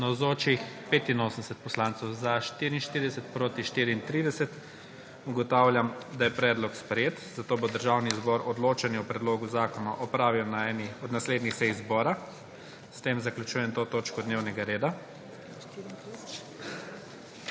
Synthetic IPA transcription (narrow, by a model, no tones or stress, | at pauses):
nawzoːt͡ʃixpet̪inoːsənsɛt̪̚pɔslaːnt̪sɛwzaʃt̪iːɾiinʃt̪iɾid̪ɛsɛt̪pɾoːt̪iʃt̪iːɾiːnt̪ɾiːd̪ɛsɛt̪ | uɡɔt̪awlʲjʲamd̪ajɛpɾɛːd̪lɔkspɾɛjeːt̪z̥at̪oːbod̪əɾʒawnizbɔɾɔd̪loːt͡ʃɛnjɛupɾɛd̪loːɡuzaːkɔnaʔɔpɾaːʋiwnaɛːniɔd̪nasled̪nixsɛjizbɔːɾa | st̪emzaklʲjut͡ʃuːjɛnt̪oːt̪oːt͡ʃkɔd̪newnɛɡaɾeːd̪a